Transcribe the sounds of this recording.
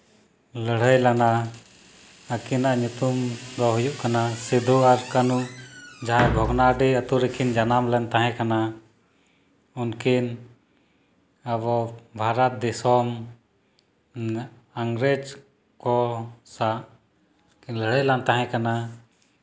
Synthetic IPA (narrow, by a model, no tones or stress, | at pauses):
ləɽ̤əjlana | əkinaʔɲut̪umd̪ɔɦujuʔkanasid̪ʱuaɾkənud͡ʒaɦajbʱɔɡnaɖiət̪uɾikʰind͡ʒanamlɛnt̪aɦɛ̃kana | unkin | abɔbʱaɾat̪̚d̪isɔm | aŋɡɾed͡ʒ | kɔsaʔ | ləɽ̤əjlant̪aɦɛ̃kana